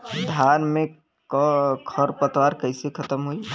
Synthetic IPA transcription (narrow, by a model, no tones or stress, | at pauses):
d̪ʱaːnmẽ | kkʰəɾpət̪waːɾkəɪsekʰət̪əmɦoi